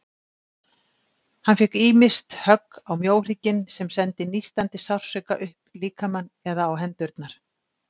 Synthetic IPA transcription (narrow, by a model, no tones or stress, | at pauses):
hanfɛhkiːmɪst̪hœkːawmjoːwr̥iːcɪnsɛmsɛnt̪ɪnist̪ant̪ɪsawr̥sœka̰ʔʏhpliːkʰamanː | ɛðaːwɦɛnt̪ʏɾt̪naɾ̥